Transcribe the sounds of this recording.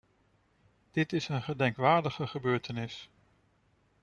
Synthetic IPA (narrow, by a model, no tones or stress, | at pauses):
d̥ɪtɪsənχədɛŋkʋaːɹdəχəχəbøːɹtənɪs